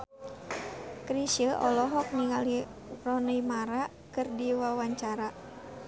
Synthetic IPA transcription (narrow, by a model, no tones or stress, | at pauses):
kɾiʃəʔɔlɔɦɔk̚niŋalirɔnəjmaɾa | kɨrdiwawaɲt͡ʃaɾa